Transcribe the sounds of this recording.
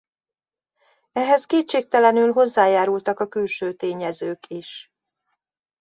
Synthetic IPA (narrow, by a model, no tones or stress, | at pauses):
ɛɦɛskeːt̪t͡ʃeːk̚t̪ɛlɛnylɦo̞zːaːjaːɾult̪ɒkɒkylʃøːt̪eːɲɛzøːkiʃ